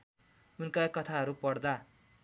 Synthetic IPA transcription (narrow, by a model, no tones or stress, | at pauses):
unkajkʌt̪ʰaɦʌɾupʌɽd̪a